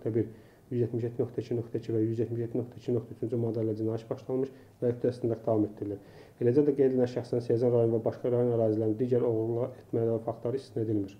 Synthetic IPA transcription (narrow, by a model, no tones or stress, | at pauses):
t̪ʰæbiɾ | jyzjet̪miʃjet̪ʰːinøkt̪ʰæcʰinøkt̪ʰæcʰivæjyzjet̪miʃjet̪ʰːinøkt̪ʰæt͡ʃʰinøkt̪ʰæyt͡ʃʰynd͡ʒymod̪elʲːæd͡ʒinɑjæt̪bɑʃlˠɑnmɯʃ | væøfd̪ʰæsnd̪ɑd̪ɑvɑmet̪d̪ːiɾilʲiɾ | be̞læd͡ʒæd̪æɡejd̪elnænʃæχsinnsjæzɑnɾɑjo̞nvæbɑʃɡɑɾɑjo̞næɾɑːzilæɾnid̪iːɟæɾo̞ɣlˠlˠɑet̪ʰmælævæfɑkt̪lˠɑɾɯist̪ined̪ilmiɾ